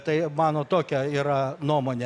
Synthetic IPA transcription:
t̪ɐɪmɑːnoːt̪oːkʲɛiːɾɐnuɔmoːnʲe

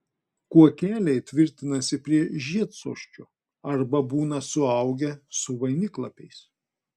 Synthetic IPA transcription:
kuɔkʲæːlʲɛɪt̪ʲʋʲɪɾʲt̪ʲɪnɐsʲɪpʲɾʲiɛʒʲiɛt̪so̰ːʃʲt͡ʃʲoː | ɐɾbɐbuːnɐsʊɐˑʊɡʲɛsʊʋɐɪnʲɪklˠɐpʲɛɪs

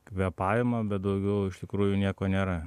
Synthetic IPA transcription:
kʋʲɛpɑːʋɪmɐbʲɛt̪̚d̪ɐʊɡʲɛʊɪʃt̪ʲɪkɾuːjʊnʲiɛkoːnʲeːɾɐ

